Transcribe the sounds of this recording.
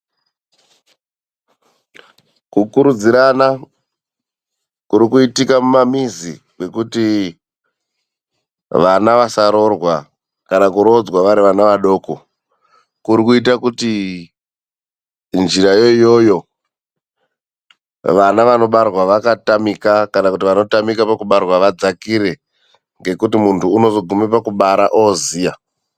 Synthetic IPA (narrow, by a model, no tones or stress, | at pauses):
kukuɾud͡ziɾana | kuɾikuitikamumamizi | ɡe̞kuti | ʋanaʋasaɾo̞rwa | kanakuɾod͡zwaʋaɾiʋanaʋaɗo̞ːko | kuɾikuit̬akuti | nʐirajo̞ijo̞jo̞ | ʋanaʋano̞ɓarwaʋakatamikakanakutiʋano̞tamikapakuɓarwaʋad͡zakiɾe̞ | ŋɡe̞kutimuntʰuːno̞zoɡʱumepakuɓaɾaʔoziːja